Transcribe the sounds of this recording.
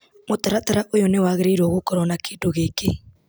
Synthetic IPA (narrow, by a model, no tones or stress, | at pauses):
motaɾataɾaʔojɔnewaːɣeɾeiɾɔɣokɔɾɔnakeːdoɣeːke